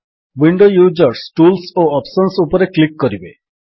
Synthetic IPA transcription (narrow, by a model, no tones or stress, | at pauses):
wiɳɖojud͡ʒɔɾsʈulsoɔpsɔnsupɔɾeklikːɔɾibe